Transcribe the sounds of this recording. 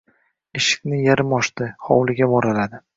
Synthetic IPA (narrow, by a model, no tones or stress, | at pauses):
ɪʃɪ̥kʲnɪjaɾɪmɒʃt̪ɪχɒwlɪɡʲabɒɾalad̪ɪ